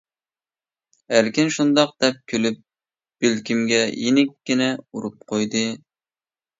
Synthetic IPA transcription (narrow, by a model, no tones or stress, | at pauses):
hæɾkʲɪnʃund̪ɑq̚d̪̥ɛp̚kʲʰølyp̚ | b̥elkʲimɡʲɛjinɪkʲːinɛuɾup̚qʰojd̪ɨ